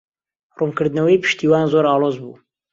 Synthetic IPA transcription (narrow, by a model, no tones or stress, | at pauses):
rumkɨɾd̪nɐwɐjpʰɨ̥ʃt̪iːwaːnzoɾɑːlˠoːzbṵː